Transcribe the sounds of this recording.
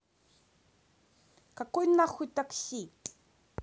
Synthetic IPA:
kakunːɑχʷut̪akɬik

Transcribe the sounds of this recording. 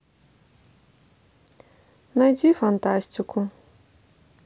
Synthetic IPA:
najd̪ifant̪asʲt̪iku

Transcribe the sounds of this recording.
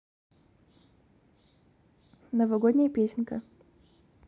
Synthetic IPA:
nəvɐɡodʲnʲɪjəpʲesʲnʲkə̰

